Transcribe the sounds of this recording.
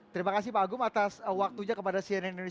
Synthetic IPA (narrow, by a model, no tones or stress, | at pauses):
t̪əɾimakas̬ipaɡʊmat̪aswak̚t̪uɲakəpadasianɛindone